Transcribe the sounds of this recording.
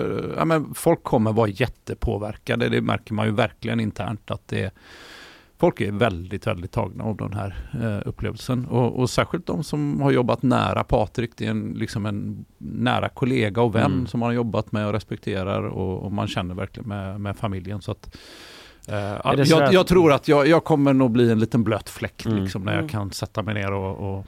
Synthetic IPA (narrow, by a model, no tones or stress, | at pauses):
a̰mənfɔlkʰːɔmːəɾvɑːɾajɛt̪ːəpʰoːvæɾkad̪əd̪ɛmʔæ̰ɾkəɾmanjɵvæɾklɪɡənɪnt̪ʰæ̰ːɳʈat̪̚d̪ɛɾ | fɔlkæɾvɛld̪ɪt̪vɛ̰ld̪ɪt̪ʰːɑ̰ːɡna̰ɔvd̪ɛ̰nɦæːɾɵpːlḛːvəlsənɔɔsæːɾɧɪlt̪d̪ɔmsɔmhaɾjɔbːat̪næ̰ːɾʔapʰɑːt̪ɾɪkd̪ɛɛnlɪksɔmɛnːæ̰ːɾʔa̰kʰʊleːɡaɔvɛnːsɔmhanjɔbːat̪mɛɔɾɛspɛk̚t̪ʰeːɾa̰ɾɔ̰ɔ̰ma̰nɕɛnːəɾvæ̰ɾklɪɡənmɛmɛfamɪljənsɔat̪ | jɑːjɑːɡt̪ʰɾuːɾat̪jɑːjɑːɡkʰɔmːəɳuːɡbliːɛnliːt̪ənbløːt̪flɛkːt̪lɪksɔmnæ̰ɾjɑ̰kʰansɛt̪ːamɛɪjneːɾɔɔ